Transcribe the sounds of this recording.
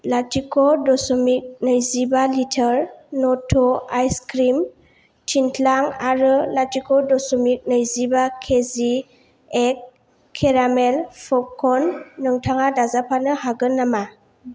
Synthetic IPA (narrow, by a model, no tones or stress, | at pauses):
latʰikʰɔdɔsɔmik̚nɯjzibalitʰəɾnɔtʰɔajskɾim | tʰintʰlaŋaɾɯlatikʰɔdɔsɔmik̚nɯjzibakʰezi | ek̚ʰː | eɾamelpʰɔp̚kʰɔnːɯŋtʰaŋadazapʰanɯhaɡɯnːama